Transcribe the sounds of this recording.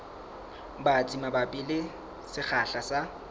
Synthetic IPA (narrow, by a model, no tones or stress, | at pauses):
bat͡sʼimababʼɪlɪ | sɪχaɬasa